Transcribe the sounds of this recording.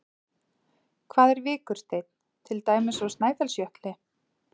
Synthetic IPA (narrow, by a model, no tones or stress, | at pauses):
kʰvaːðɛɾvɪːkʏɾ̥st̪eːjt̪n̥ | t̪ʰɪlt̪aːjmɪsɔst̪naːjθalsjœht̪lɪ